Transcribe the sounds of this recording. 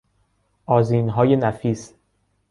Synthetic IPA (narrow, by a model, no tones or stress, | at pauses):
ʔɒːziːnɦɒːje̞næfiːs